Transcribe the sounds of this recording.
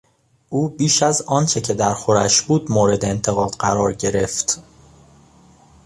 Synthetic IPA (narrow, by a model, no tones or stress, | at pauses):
ʔuːbiːʃæzɒːnt͡ʃʰe̞cʰe̞d̪æɾxo̞ɾæʃbuːd̪moːɾe̞d̪eːnt̪ʰe̞ɣɒːd̪̥ɢæɾɒːɾɟe̞ɾe̞ft̪